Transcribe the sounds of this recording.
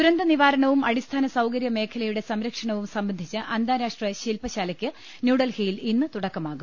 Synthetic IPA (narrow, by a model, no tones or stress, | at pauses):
tuɾɐnd̪ɐniʋaːɾɐɳɐʋumɐɽist̪ʰaːnɐsɐwkɐɾjɐme̞ːkʰɐlɐjuɽe̞sɐmɾɐkʂɐɳɐʋumsɐmbɐnd̪ʱit͡ɕːɨʔɐnd̪aːɾaːʂʈrɐɕilpɐɕaːlɐkʲːɨ | njuːɽɐlhijilinːɨt̪uɽɐkːɐmaːɣum